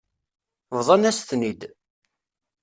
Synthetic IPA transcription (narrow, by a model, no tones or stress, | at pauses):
vðˤɑnæsθnid̪